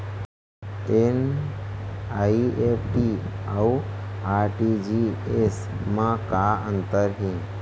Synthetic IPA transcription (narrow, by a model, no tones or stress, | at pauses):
en | aiepʈiauaɾʈid͡ʒies | mãkaə̃nt̪əɾɦĩ